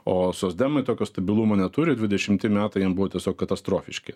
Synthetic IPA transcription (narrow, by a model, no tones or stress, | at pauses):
oːsoːzʲd̪ʲæmɐɪt̪oːkʲoːst̪ɐbʲɪlˠumoːnʲɛt̪uɾʲɪd̪ʲʋʲɪdʲɛʃʲɪmt̪ʲɪmʲæːt̪ɐɪjiɛmbuʋoːt̪ʲiɛsʲoːkkɐt̪ɐst̪ɾoːfʲɪʃʲkʲɪ